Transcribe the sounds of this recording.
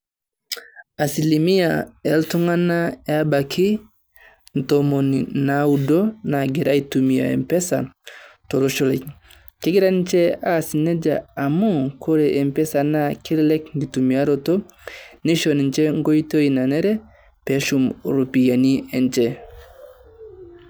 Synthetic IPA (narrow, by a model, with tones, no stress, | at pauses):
a˨si˨li˨mi˦a̰˨ɛ˨˦ltu˦ŋa˦na˦a˦ba˨kʰi˦ | n̩˨to˨mo˨ni˨na˨u˨do˦na˨ɡe˨ɾa˦i˦tu˨mi˨a̰˨ḛ˨mpɛ˦sa˨to˨ɾo˦ʃo˦lɛ˨k | ke˦ɡi˦ɾa˦nt͡ʃɛ˦a˦si˨ne˦d͡ʒa̰ː˨mu˦kʰo˦ɾɛ˨ʔɛ˨mpɛ˦sa˨na˦kʰi˦lɛ˦lɛ˦kŋɡi˨tu˨mi˨a˦ɾo˦to˦ | ni˦ʃɔ˨n˨nt͡ʃɛ˦ŋɡo˦i˦to˦i˨na˨nɛ˦ɾɛ˦ | pɛ˨˦ʃu˨mɾo˨pi˨ja˨ni˦ɛ˨nt͡ʃɛ˦